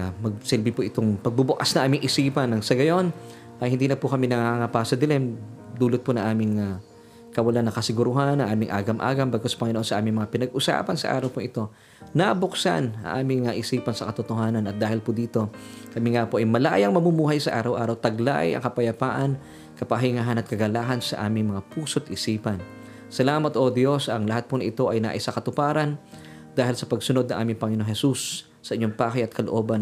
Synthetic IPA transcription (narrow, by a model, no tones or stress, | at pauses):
mɐɡ̚sɛlbɪpoʔɪt̪oŋpɐɡ̚bubʊkasnɐŋʔaːmɪŋʔɪsiːpɐnːɐŋsɐɡɐjo̞n | ʔɐjhɪnd̪iːnɐpʊkɐmɪnɐŋaːŋɐpasɐd̪ɪlɛmd̪uːlʊt̪̚ponɐŋʔaːmɪŋa | kɐwɐlanːɐkɐsɪɡʊɾʊɦanʔɐŋʔaːmɪŋʔa̰ːɡɐmʔa̰ːɡɐmbɐɡkospɐŋɪnoʔonsɐʔaːmɪŋmɐŋapɪnɐɡʔʊsa̰ːpɐnsɐ̰ʔa̰ːɾɐwpʊŋʔɪt̪o̞ | nɐbʊksa̰nɐ̰ŋʔaːmɪŋːaʔɪsiːpɐnsɐkɐt̪ot̪oɦaːnɐnɐt̪̚d̪aːhɪlpʊd̪iːt̪o̞kɐmiŋapoʔɐjmɐlaʔjɐŋmɐmumuːɦɐjsɐʔa̰ːɾɐwʔaːɾɐwt̪ɐɡla̰jɐ̰ŋkɐpɐjɐpaːʔɐn | kɐpɐɦiŋaɦɐnɐt̪kɐɡɐlaːɦɐnsɐʔa̰ːmɪŋmɐŋapuːsot̪ʔɪsiːpɐn | sɐlaːmɐt̪ʔod̪jo̞sɐŋlɐɦat̪̚pʊnŋʔɪt̪o̞ʔɐjna̰ʔɪsakɐt̪ʊpaːɾɐn | d̪aːhɪlsɐpɐɡsʊnod̪̚nɐŋʔa̰ːmɪŋpɐŋɪnoŋhɛsusː | ɐʔɪɲːoŋpaːkɐjɐt̪̚kʰɐloʔo̞ːbɐn